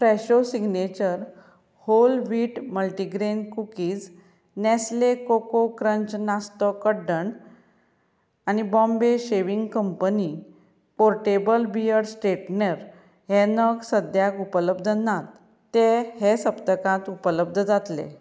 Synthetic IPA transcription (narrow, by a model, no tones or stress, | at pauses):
fɾɛɕosiɡnet͡ɕəɾ | holʋiːʈməlʈiɡɾenkukiːd͡z | nɛslekokokɾəɲt͡ɕnast̪əkəɖəɳ | anibɔ̃mbeɕeʋiŋɡkəmpəni | poɾʈebəlbijəɾsʈeʈneɾ | ɦɛnəksəd̪ʱjakupələbd̪ʱənat̪ː | ehesəpt̪əkãt̪upələb̚d̪ʱəd͡zat̪lḛ